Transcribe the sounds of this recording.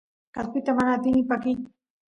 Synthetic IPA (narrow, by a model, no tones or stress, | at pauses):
kaspɪt̪amanaːt̪ɪnɪpakɪj